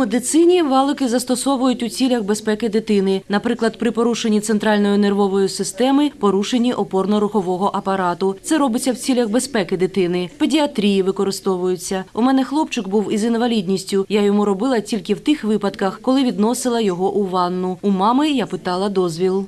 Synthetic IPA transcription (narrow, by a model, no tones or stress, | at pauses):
med̪ɪt̪sɪnʲiʋɑlˠɪkɪzɐst̪ɔsɔʋʊjʊtʲʊt͡sʲilʲɐxbe̞spɛkɪd̪ɪt̪ɪnɪnɐpɾɪklˠɐd̪̚pɾɪpɔɾuʃenʲːit̪sent̪ɾɑlʲnɔjʊnerʋɔʋɔjʊsɪst̪ɛmɪpɔɾuʃenʲːiʔɔpɔrnɔɾʊxɔʋɔɦɔʔɐpɐɾɑt̪ʊsɛɾɔbɪt͡sʲːɐwt͡sʲilʲɐxbe̞spɛkɪd̪ɪt̪ɪnɪpedʲiɐt̪ɾʲijiʋɪkɔɾɪst̪ɔʋʊjʊt͡sʲːɐumɛnɛxlˠɔpt͡ʃɪkbuwizinʋɐlʲidʲnʲisʲtʲʊjajɔmuɾɔbɪlˠɐtʲilʲkɪwt̪ɪxʋɪpɐd̪kɐxkɔlˠɪʋʲid̪nɔsɪlˠɐjɔɦɔʔuʋɑnːʊumɑmɪjapɪt̪ɑlˠɐd̪ɔzʲʋʲilˠ